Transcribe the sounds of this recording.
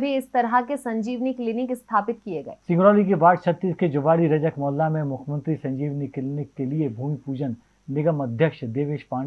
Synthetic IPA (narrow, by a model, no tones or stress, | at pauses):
bʱiɪst̪ɐɾɦəkesɐ̃ɲd͡ʒiːʋniklɪnɪkɪst̪ʰaːpɪt̪̚kijeɡɐeːsɪ̃ŋɡɾɔːlikiʋaːʈt͡ʃʰət̪ːiːsked͡ʒʊʋaːɽiɾɐd͡ʒəkmɔːlːamẽmʊkʰmə̃nt̪ɾisɐ̃ɲd͡ʒiːʋniklɪnɪkːeliebʱuːmipuːd͡ʒənː | ɪɡəmɐd̪ʱjəkʃd̪eːʋeːʃpãː